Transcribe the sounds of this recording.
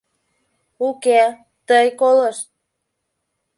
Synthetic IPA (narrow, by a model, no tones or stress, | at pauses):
uke | t̪əjkoləʃt̪̚